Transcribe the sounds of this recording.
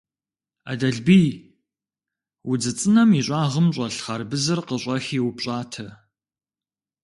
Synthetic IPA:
a̰ːdɐɮbiː | wʊd͡zɨt͡sʼɨnɐmiɕʷʼɑːʁəmɕʼɐɬχɐrbɨzɨrqəɕʷʼɐxiːwʊpɕʼaːtʰɐ

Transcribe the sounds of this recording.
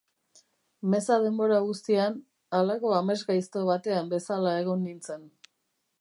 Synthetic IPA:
me̞sað̞e̞mbo̞ɾaɣust̪ian | alako̞ame̞zɣajst̪o̞β̞at̪e̞ambe̞salae̞ɣ̞o̞nːint͡se̞n

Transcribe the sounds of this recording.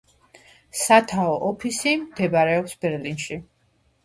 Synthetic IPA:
sat̪ʰaɔʔɔpʰisimd̪̥ɛbaɾɛɔpsbɛɾlinʃi

